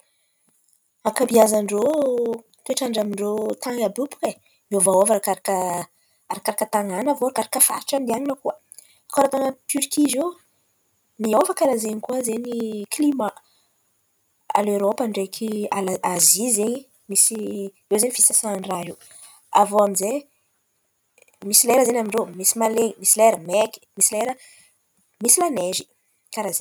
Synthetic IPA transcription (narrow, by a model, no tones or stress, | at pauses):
akabiazaɳɖ͡ʐo | t̪ueʈ͡ʂaɳɖ͡ʐamiɳɖ͡ʐot̪aŋabupu̥ke | miovaovaɾakaɾakə | aɾakaɾakət̪aŋanavoɾakaɾakəfa̰i̥ʈ͡ʂand̪ianinəkuə | koaɾat̪aŋət̪yɾikʰizew | miovakaɾazeɲikuəzeɲiklima | a̰leɾopaɳɖ͡ʐekʰialazizeɲi | misi | ewzeɲifisasanraɦiw | avoamize | misileɾəzeɲamiɳɖ͡ʐewmisimaleɲmisileɾəmeki̥misileɾə | misilanezi̥ | kaɾazeɲ